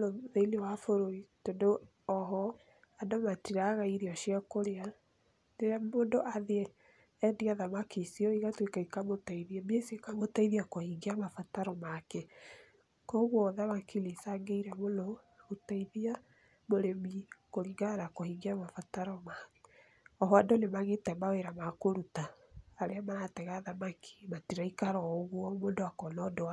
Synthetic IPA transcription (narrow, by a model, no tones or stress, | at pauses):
noðeilewafoɾoitondo | ɔɦɔ | adomatiɾaɣaiɾiɔʃiakoɾea | nemondoʔaðeɛ | ɛndiaðamakisiɔiɣatwekaikamotaiðiɛmesekamotaiðiakohiɡeamafataɾɔmakɛ | kɔɣwɔðamakilesaŋɡeiɾɛmonɔ | otaiðia | moɾemikoɾiɡaɾakohiɡiamafataɾɔmakɛ | ɔɦɔandɔnemaɣetɛmaweɾamakoɾutaː | ɾeamaatɛɣaːðamakʰi̥matiɾaikaɾɔoɣwɔmoːndoakɔnɔndoa